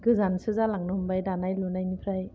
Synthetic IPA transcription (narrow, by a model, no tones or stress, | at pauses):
ɡɯzansɯzalaŋnɯhumbajdanajlunajnipʰɾaj